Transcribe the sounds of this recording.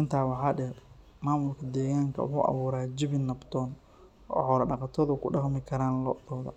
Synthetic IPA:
ʔɪnt̪ʰaːwɑħɑːɖɛːɾ | maːmʊlkʰɐd̪ɛːɣaːŋkʰɐ̰wʊ̰ħṵːʔɐ̰βuːɾaːd͡ʒɪβɪnːɐbt̪ʰɔːn | ʔɔ̰ːhɔːɾɐɖɑqɑt̪ʰɔðʊkʰʊɖɑqmɪkʰɐɾaːnlɔːðɔːðɐ̰

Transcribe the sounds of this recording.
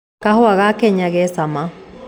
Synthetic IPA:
kahʊaɣakɛɲaɣɛsama

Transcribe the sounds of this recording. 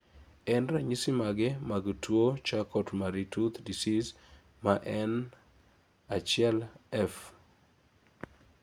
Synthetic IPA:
ɛnɾaɲisɪmaɡɛmaɡtwot͡ʃakɔtmaɾitut̪disis | maʔɛn | at͡ʃɪɛlɛf

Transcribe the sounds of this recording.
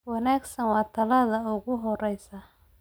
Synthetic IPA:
wɑnaːɡsɐnwɑːt̪ʰɐlɐðɐʊɣʊɦɔrɛjsɐ

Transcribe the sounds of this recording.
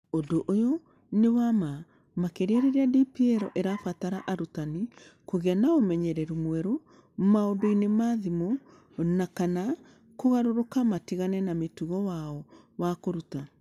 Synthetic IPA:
odoʔojo | newama | makeɾeaɾeɾeadipiɛɾɔʔeɾafataɾaʔaɾutanikoɣeanaomɛɲɛɾɛɾumwɛɾo | maodoinemaðimo | nakana | koɣaɾoɾokamatiɣanɛnametuɣɔwaɔ | wakoɾuta

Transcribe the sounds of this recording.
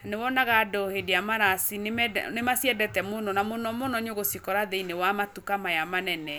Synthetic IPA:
anewɔnaɣadɔhedeamaɾasinemnemasiɛdɛtɛmonɔnamonɔmonɔɲoɣosikɔɾaðeinewamatukamajamanɛnɛ

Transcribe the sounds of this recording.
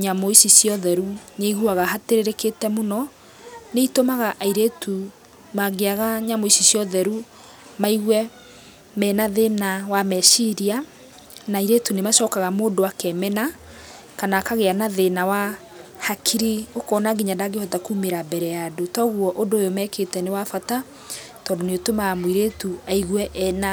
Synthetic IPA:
ɲamoisisjɔðɛɾuneiɣuaɣaɦateɾeɾeketɛmonɔ | neitomaɣaʔaiɾetu | maɡeaɣaɲamoisisjɔðɛɾu | maiɣwɛ | mɛnaðenawamɛʃiɾia | naiɾetunemaʃɔːkaɣamoːdoakɛmɛna | kanakaɣeanaðenawa | hakʰiɾiokɔnaɡiɲadaɡehɔtakumeɾabɛɾɛjadotɔɣwɔʔondoːjomɛketɛnewafata | tɔːdoneotomaɣmoiɾetuaiɣwɛʔɛna

